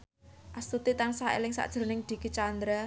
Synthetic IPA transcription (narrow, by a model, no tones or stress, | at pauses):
ʔast̪ut̪it̪ansaḛlɪŋsa̰ʔd̥ʒ̥əɾnɪŋd̪̥i̤kit͡ʃand̪ɾa